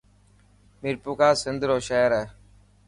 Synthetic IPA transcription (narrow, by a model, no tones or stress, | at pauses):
mɪɾpukaːsɪnd̪ɾoːʃeːɾɛː